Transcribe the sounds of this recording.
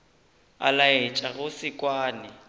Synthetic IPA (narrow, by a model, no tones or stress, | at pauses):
a̰laet͡ʃʼaɣʊsɪkʼwaːnɪ